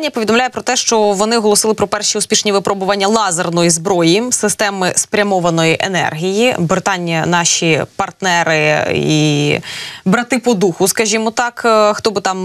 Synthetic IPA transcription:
nʲijɐpɔʋʲid̪ɔmlʲajɛpɾɔt̪ɛʃt͡ʃɔʋɔnɪɦɔlˠɔsɪlˠɪpɾɔpɛrʃʲiʊspʲiʃnʲiʋɪpɾɔbʊʋɐnʲːɐlˠɑzernɔjizbɾɔjisɪst̪ɛmɪspɾʲɐmɔʋɐnɔjiʔḛnɛ̰rɦʲijibɾɪt̪ɑnʲːɐnɑʃʲipɐrt̪nɛɾɪi | bɾɐt̪ɪpɔd̪uxʊskɐʒʲimɔt̪ɑkxt̪ɔbɪt̪ɑm

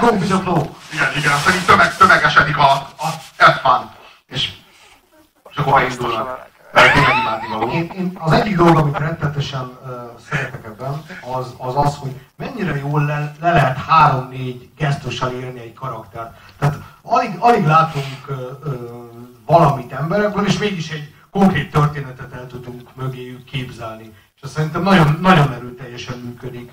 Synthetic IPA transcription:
koːvizɒkloːiɡɛniɡɛnsɛɾint̪t̪ømɛɡ̚t̪ømɛɡɛʃɛd̪ikɒ | ɛt̪fan | eːʃ | ʃɒkːoɾbɛind̪ulnɒk | ɛk̪iɛɡimaːd̪ieːneːnɒzɛɟːiɡd̪o̞loɡɒmit̪rɛt̪ːɛlɛt̪ɛʃɛnøːsɛɾɛt̪ɛkɛbːɛnɒzɒzɒsho̞ɟmɛɲːiɾɛjoːlɛlɛlɛɦɛt̪haːɾo̞mneːɟɡɛst̪oʃɒleːrniɛɟkɒɾɒkt̪ɛrt̪ːɛaːt̪ɒliɡɒliɡlaːt̪uŋkː | vɒlɒmit̪ɛmbɛɾɛɡbɛneːʃmeːɡiʃɛɟ | ko̞ŋkreːt̪ːørt̪eːnɛt̪ɛt̪ɛlt̪ud̪uŋkmøɡeːjykkeːbzɛlni | ʃɛssɛɾint̪ɛmnɒɟo̞nːɒɟo̞nɛɾøːlt̪ɛjːɛʃɛmmyːkød̪ik

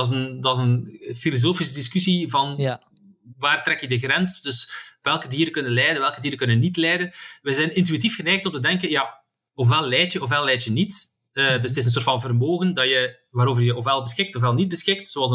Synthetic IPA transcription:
ɑsəndɑzənfilozoːfis̬ədiskysivɑn | ʋaːrtɾɛkjədəɣrɛnsd̥ɵsʋɛlˠkədiːɾəkɵnənlɛjdənʋɛlˠkədiːɾəkɵnənitlɛːdənʋɛzɛːnɪnt̬yit̬ifxənɛːxtɔmtədɛŋkəja | ɔfʋɛlˠlɛːtjəɔfʋɛlɛːtjənit | ədəstɪs̬əns̬oːrtfɑnvərmoːɣəndɑjə | ʋaːɾoːvərjəɔfwɛlˠbəsxɪk̚tɔfwɛlˠnid̚bəsxɪk̚tsoːɑlˠsə

